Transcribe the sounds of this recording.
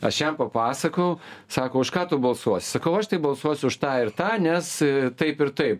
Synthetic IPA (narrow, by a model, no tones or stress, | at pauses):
ɐʃjɛmpɐpɑːsɐkɐʊsɑːkoːʊʃkɑːt̪ʊbɐlˠsuɔsʲɪ̥sɐkɐʊɐʃt̪ɐɪbɐlˠsuɔsʲʊʊʃt̪ɑːɪrt̪ɑːnʲɛst̪ɐɪpɪɾt̪ɐɪp̚